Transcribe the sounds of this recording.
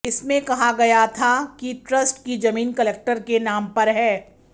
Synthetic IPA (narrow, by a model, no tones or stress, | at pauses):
ɪsmẽkɐɦaɡɐjat̪ʰakiʈɾəsʈkid͡ʒɐmiːnkɐleːk̚ʈəɾkenaːmpɐɾɦɛː